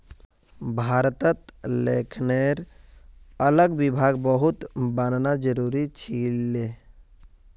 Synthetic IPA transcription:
bʱaɾt̪ət̪lekʰneɾ | ələɡbibʱaɡbəɦut̪bənnad͡ʒəɾuɾit͡ʃʰile

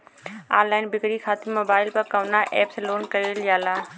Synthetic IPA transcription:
aːlaːɪnbɪkɾikʰaːt̪ɪmoːbaːɪlpɐɾkɐʋnaʔɛːpsloːnkəjoljaːlaː

